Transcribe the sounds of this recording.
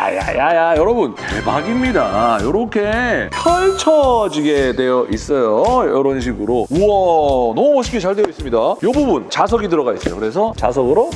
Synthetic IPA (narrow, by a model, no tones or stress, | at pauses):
a̰ja̰jajajʌɾʌbunt͡ɕemaɡimɲidajʌɾʌkʰe̞pʰʌɭt͡ɕʰʌd͡ʑiɡe̞dwe̞jʌʔis͈ʌjojʌɾʌnɕ̬ʰiɡɯɾouʌnʌmumʌɕʰi̥kʰit͡ɕaɭdwejʌis͈ɯmɲidajobubunt͡ɕas̬ʰʌɡidɯɾʌɣais͈ʌjokɯɾe̞sʰʌt͡ɕasʰʌɡɯɾo